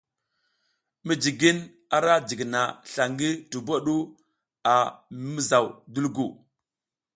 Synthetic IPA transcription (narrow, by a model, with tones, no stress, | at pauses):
mi˨d͡ʒi˨ɡi˦n | a˨ɾa˦d͡ʒi˨ɡna˨ɬa˨ŋɡi˦tu˨bo˦ɗu˦ | a˨˦mi˦za˨wdu˦lɡu˨